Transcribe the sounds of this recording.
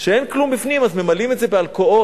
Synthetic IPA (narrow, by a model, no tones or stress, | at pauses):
ʃee̞nklumbifnimazme̞malimetze̞bealko̞ʔo̞